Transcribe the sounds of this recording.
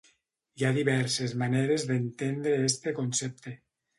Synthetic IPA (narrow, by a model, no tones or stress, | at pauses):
iaðiβɛɾsezmaneɾezðent̪end̪ɾeest̪ekonsep̚t̪e